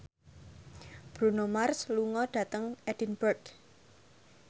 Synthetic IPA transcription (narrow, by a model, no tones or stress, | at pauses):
b̥ɾunomarsluŋɔɖ̥a̤t̪əŋɛd̥inbərɡ